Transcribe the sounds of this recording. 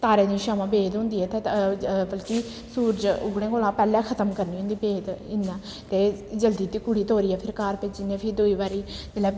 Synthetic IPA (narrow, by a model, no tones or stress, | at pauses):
t̪aːɾẽːd̪iːʃaːmãːbeːt̪ɦʊ̃nd̪iːɛːt̪eːbəlkiː | suːɾd͡ʒʊ̰ɡɽẽːkoːlãːpɛːlɛ̃ːkʰət̪əmkəɾniːɦʊ̃nd̪iːbeːt̪ɪnãː | t̪eːd͡ʒəld̪iːt̪iːkʊɽiːt̪oːɾiːɛːpʰɪɾkaːɾpɪt͡ʃd͡ʒɪnːẽːpʰɪɾd̪ʊiːbaːɾiː | ɪlɛː